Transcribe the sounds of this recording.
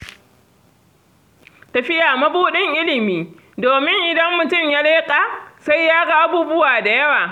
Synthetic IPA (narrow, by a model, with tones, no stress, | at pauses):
tɐ˨ɸɪ˦jaː˨mɐ˦buː˦ɗɪ˦ŋʔɪ˦lɪ˨miː˦ | doː˨mɪ˦ŋʔɪ˨dɐ˦mːʊ˨tʊ˦mjaː˦leː˦kʼaː˨sa˦jːaː˦ɡa˦ʔa˦buː˦bʊ˦waː˨da˨jɐ˦waː˨